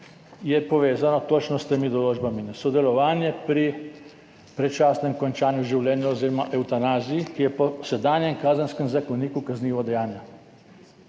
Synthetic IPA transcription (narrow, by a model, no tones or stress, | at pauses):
jɛpɔʋeːzanɔt̪oːt͡ʃnɔst̪emid̪ɔloːd͡ʒbaminɛsɔd̪ɛlɔʋaːnjɛpɾi | pɾɛt͡ʃaːsnɛmkɔnt͡ʃaːnjuʒiwlɛːnjɛoziːɾɔmaʔɛwt̪anaːzijikijɛpɔsɛd̪aːnjɛmkaːzənskɛmzakoniːkukazniːʋɔd̪ɛjaːnja